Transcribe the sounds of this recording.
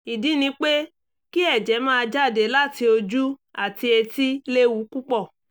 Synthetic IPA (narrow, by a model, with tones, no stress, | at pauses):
i˨dĩ˨˦nĩ˧˦k͡pe˦ | ki˦ɛ˦˨d͡ʒɛ˨˦mãː˦˧d͡ʒa˦˨de˨˦la˦˨ti˧o˧d͡ʒu˦a˦˨ti˧e˧ti˦le˦wu˨˦ku˦k͡pɔ˦˨